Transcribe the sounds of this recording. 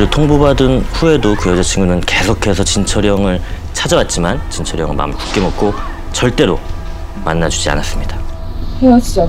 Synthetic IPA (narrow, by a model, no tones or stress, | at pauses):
ɾɯtʰoŋbobadɯnɸue̞dokɯjʌd͡ʑʌt͡ɕʰiŋɡunɯnke̞sʰokʰe̞sʰʌt͡ɕint͡ɕʰʌɾjʌŋɯɭ | t͡ɕʰad͡ʑʌwat̚t͡ɕ͈imant͡ɕint͡ɕʰʌɾjʌ̰ŋɯɭma̰mku̥k͈emʌk̚kʰo | t͡ɕʌɭt͈e̞ɾo | ma̰nːad͡ʑud͡ʑia̰nas͈ɯmɲid̥a | heoɕid͡ʑ